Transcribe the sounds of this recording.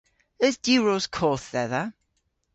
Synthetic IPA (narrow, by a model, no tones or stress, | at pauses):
əzd̥iɹoz̥kʰɔːˑθðɛða